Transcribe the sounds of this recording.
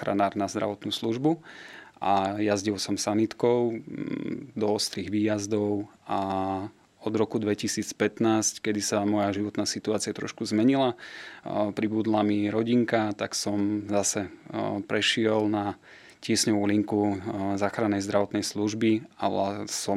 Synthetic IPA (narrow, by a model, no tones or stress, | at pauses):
ɾa̰naːɾnazd̪ɾa̰ʋɔt̪nuːsluʒbuʔajazɟiʊsɔmsanit̪kɔʊ | d̪ɔɔst̪ɾiːɣʋiːjazd̪ɔʊa | ɔd̪ɾɔkud̪ʋɛcisiːt͡spɛt̪naːsckɛd̪isamɔjaʒiʋɔt̪naːsit̪uaːt͡siat̪ɾɔ̰ʃkuzmɛɲila | pɾibud̪lamiɾɔɟiŋkat̪aksɔmzasɛpɾɛʃɪɛlna | cɪɛsɲɔʋuliŋkuzaːxɾanːɛjzd̪ɾaʋɔt̪nɛjsluʒbialasɔm